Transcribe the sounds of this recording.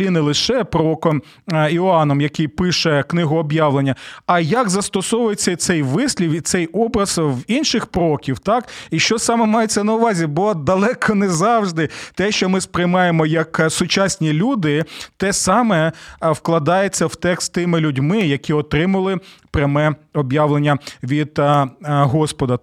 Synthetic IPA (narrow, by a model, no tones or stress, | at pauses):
inɛlˠɪʃɛpɾɔɔkɔm | iɔɑnɔmjɐkijpɪʃɛknɪɦʊɔbjɑʋlˠenʲːɐɐjɐɡzɐst̪ɔsɔʋʊjet͡sʲːɐit̪sɛjʋɪsʲlʲiwit̪sɛjɔbɾɐz̥winʃɪxpɾɔɔkʲiwt̪ɑkiʃt͡ʃɔsɑmɛmɑjet͡sʲːɐnɐʊʋɑzʲibɔd̪ɐlˠɛkʰɔnɛzɑwʒd̪ɪt̪ɛʃt͡ʃɔmɪspɾɪjmɑjemɔjɐksʊt͡ʃɑsʲnʲilʲud̪ɪt̪ɛsɑmɛwklˠɐd̪ɑjet͡sʲːɐwt̪ɛkst̪ɪmɪlʲʊdʲmɪjɐkʲiɔt̪ɾɪmɐlˠɪpɾʲɐmɛɔbjɑʋlˠenʲːɐʋʲid̪ | ɦɔspɔd̪ɐ